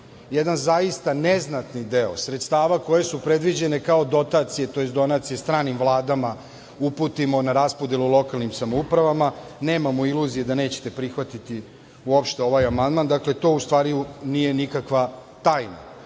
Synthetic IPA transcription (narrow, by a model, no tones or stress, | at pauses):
jed̪anzaist̪aneznat̪nid̪eo̞sɾet̪st̪aːʋako̞je̞supɾe̞d̪ʋid͡ʑe̞ne̞kao̞d̪o̞t̪at̪sije̞t̪o̞jet̪d̪o̞nat̪sije̞st̪ɾaːnimvlˠaːd̪ama | upuːt̪imo̞naɾaspo̞d̪je̞lˠulˠo̞kalˠnimsamoupɾaʋamane̞ːmamoilˠuzije̞d̪ane̞ːt͡ɕet̪e̞pɾixʋat̪it̪i | uo̞pʃt̪eo̞ʋajamand̪mand̪akle̞t̪o̞ːust̪ʋaːɾijunije̞nikakʋa | t̪aːjna̰